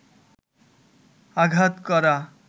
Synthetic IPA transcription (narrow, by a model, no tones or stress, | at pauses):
aɡʱat̪kɔɾa